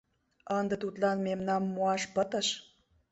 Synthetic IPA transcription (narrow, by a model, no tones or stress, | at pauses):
ənd̪ə̆t̪ut̪lɑnmemnɑmːuɑʃpət̪ə̆ʃ